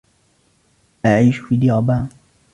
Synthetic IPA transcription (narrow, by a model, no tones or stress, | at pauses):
ʔaʕiːʃfid̪iɑbaː